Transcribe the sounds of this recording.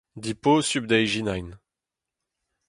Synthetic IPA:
d̪iposybd̪ɛjʒinajn

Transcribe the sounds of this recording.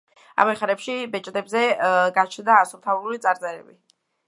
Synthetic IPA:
a̰mɛχaɾɛpʃibɛt͡ʃʼd̪ɛbzɛɡat͡ʃʰnd̪aːsuɾt̪ʰaululit̪sʼaɾt̪sʼɛɾɛ̰bi

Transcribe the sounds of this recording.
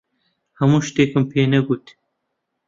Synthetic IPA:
hɐmuːʃt̪eːkɨmpʰeːnɐɡut̪

